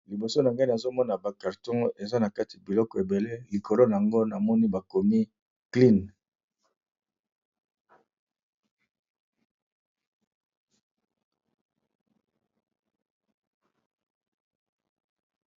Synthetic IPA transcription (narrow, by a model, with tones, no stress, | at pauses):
li˨bo˨so˦na˨ŋɡa˦i˦na˨zo˦mɔ˦na˨ba˨ka˨ʁtõ˦ŋe˨za˦na˨ka˦ti˨a˨bi˨lɔ˦kɔ˨e˨be˨le˦li˨kʰo˨lo˦na˨a˨ŋɡo˦na˨mɔ˦ni˦ba˨ko˨mi˦ | kli˦n